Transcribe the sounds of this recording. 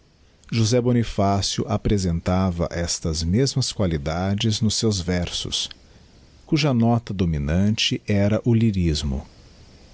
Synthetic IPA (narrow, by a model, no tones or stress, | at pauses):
ʒuzɛbonifasjʊ̰ʔapɾezẽnt̪avɐ̰ʔɛst̪ɐzmezmɐskwalid̪ad͡ʒɪznʊsːewzvɛɾsʊ̰s | kuʒɐnɔt̪ɐd̪ominɐ̃nt͡ʃɪʔɛɾɐʔʊliɾizmʊ̰